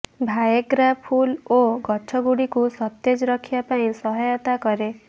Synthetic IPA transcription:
bʱajeɡɾapʰuloɡɔt͡ʃʰɔɡuɽikusɔt̪ːed͡ʒɔɾɔkʰibapaĩsɔɦajɔt̪akɔɾe

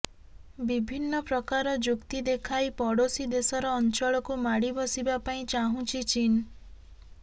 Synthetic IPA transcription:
bibʱinːɔpɾɔkaɾɔd͡ʒukt̪id̪ekʰajpɔɽosid̪esɔɾɔːnt͡ʃɔɭɔkumaɽibɔsibapaĩt͡ʃaɦũt͡ʃʰit͡ʃin

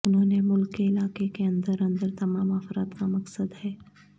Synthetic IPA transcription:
ʊnɦõːnemʊlkːeɪlaːkekeɐ̃nd̪əɾɐ̃nd̪əɾt̪ɐmaːmaːfɾaːt̪kamɐksəd̪ɦɛː

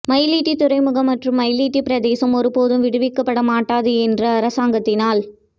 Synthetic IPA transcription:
mɐjliːʈːit̪ʊɾɐɪmɯɣɐmːɐʈrɯmːɐɪliːʈːipɪɾɐðeːsɐmɔɾɯpoːðɯmʋɪɽɯʋɪkːɐpːɐɽɐmaːʈːaːðɯɛndrɐːɾɐsaːŋɡɐt̪ːɪnaːl

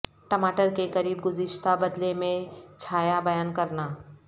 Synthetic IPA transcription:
ʈɐmaːʈəɾkekɐɾiːbɡʊzɪʃt̪abɐd̪lemẽt͡ʃʰaːjabɐjaːnkɐɾnaː

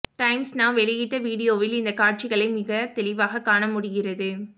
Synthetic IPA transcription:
ʈɐɪmsnaːʋɛɭɪjɪʈːɐʋiːɽɪjoːʋɪlɪnd̪ɐkaːʈ̚t͡ʃɪɣɐɭɐɪmɪɣɐt̪ɛɭɪʋaːɣɐkːaːɳɐmʊɽɪɣɪrɐðɯ

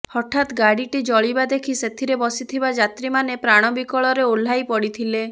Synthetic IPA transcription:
hɔʈʰat̪ɡaɽiʈid͡ʒɔɭibad̪ekʰiset̪ʰiɾebɔsit̪ʰibad͡ʒat̪ɾimanepɾaɽ̃ɔbikɔɭɔɾeol̤ajpɔɽit̪ʰile

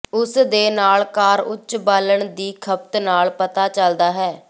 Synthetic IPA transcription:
ʊsd̪eːnaːlkaːɾʊt͡ʃːbaːləɳd̪iːkʰəp̚t̪naːlpət̪aːt͡ʃəld̪aːɦɛː

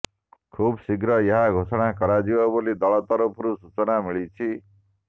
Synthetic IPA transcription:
kʰubsiɡɾʌjʌɦaɡʱosʌɽakʌɾad͡ziwɔbolid̪ʌɭʌt̪ʌɾopʰuɾusut͡sʌnamiɭit͡sʰi

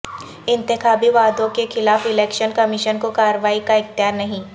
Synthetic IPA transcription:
ɪ̃nt̪ɪxaːbiʋaːd̪õkexʰɪlaːfɪlɛːkʃənkɐmɪʃənkokaːɾəʋaːikaɪxt̪ɪjaːɾnɐɦĩ

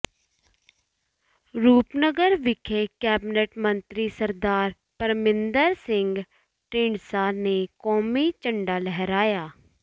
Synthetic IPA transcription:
ɾuːpnəɡəɾʋɪkʰeːkɛːbneʈmənt̪ɾiːsəɾd̪aːɾ | pəɾmɪnd̪əɾsɪŋɡ | ʈẽːɳɖsaːneːkɔːmiːt͡ʃəɳɖaːlɛɦɾaːjaː

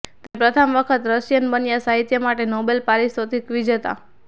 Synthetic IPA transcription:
t̪epɾət̪ʰəmʋəkʰət̪ɾəsjənbənjasaɦit̪jəmaʈenɔbelpaɾisot̪ʰikʋid͡ʒət̪a̰

